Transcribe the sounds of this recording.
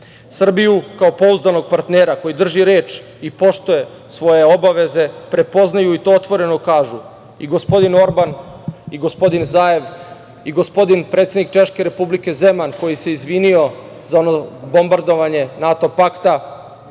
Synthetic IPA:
sr̩bijukao̞po̞uzd̪ano̞ɡ̚paɾt̪neːɾako̞jid̪r̩ʒiɾeːt͡ʃ | ipo̞ʃt̪uje̞ | sʋo̞je̞o̞baʋe̞ze̞pɾe̞po̞znajuit̪o̞ot̪ʋo̞ɾe̞no̞kaːʒu | iɡo̞spo̞d̪ino̞ɾbaniɡo̞spo̞d̪inzaːe̞ʋ | iɡo̞spo̞d̪inpɾet̪se̞d̪nik̚t͡ʃe̞ʃke̞ɾe̞publike̞ze̞manko̞jise̞izʋinio̞ | zaonobo̞mbaɾd̪o̞ʋaɲe̞nat̪o̞pakt̪a

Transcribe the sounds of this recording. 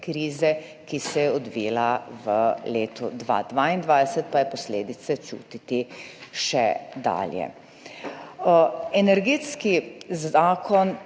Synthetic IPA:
kɾiːzɛ | kisɛjɛɔd̪ʋiːlaʋəleːt̪ɔ̰d̪ʋa̰d̪ʋaːind̪ʋaːjd̪ɛsɛt̪̚pajɛpɔsleːd̪it̪sɛt͡ʃṵːt̪it̪iʃɛd̪a̰ːljɛ̰ | ɛnɛɾɡeːt̪skizaːkɔn

